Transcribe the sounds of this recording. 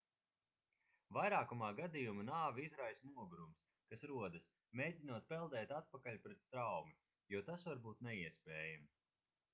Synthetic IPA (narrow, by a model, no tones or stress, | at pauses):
vajɾaːkumaːɡad̪ijumanaːviizɾajsnuɔɡɾums | kasɾuɔd̪ɨs | mʲeːjd̪ʲinuɔt̪̚pɛlˠd̪ɛːt̪at̪̚pakalʲpɾɛt̪st̪ɾawmi | jɔt̪asvaɾbuːt̪nɛiɛspʲɛːjam